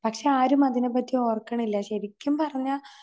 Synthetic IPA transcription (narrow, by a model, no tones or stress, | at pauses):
pɐkʂe̞aːɾumɐðinep̬ːɐtːio̞ːrkːɐɳilːɐɕɐɾikʲːumpɐrɐɲːa